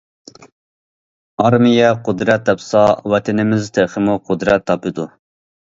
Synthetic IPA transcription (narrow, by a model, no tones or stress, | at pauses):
ɑɾmijɛqʰʊd̪ɾɛt̪̚ːɛpsɑwɛt̪ʰɪnɪmɪzt̪ʰeχəmuqʰʊd̪ɾɛt̪ʰːɑpʰɨd̪u